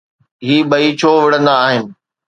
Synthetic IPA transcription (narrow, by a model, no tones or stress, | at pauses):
ɦiːɓɐit͡ɕʰoːʋɪɽə̃nd̪aːɦɪnɪ̆